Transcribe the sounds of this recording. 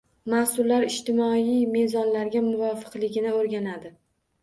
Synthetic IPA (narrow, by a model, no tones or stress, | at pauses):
masʊlːaɾɪʃt̪ɪmɒijme̞zɒnlaɾɡʲamʊvɒfɨ̥qlɪɡʲɪnɪoɾɡʲanad̪ɪ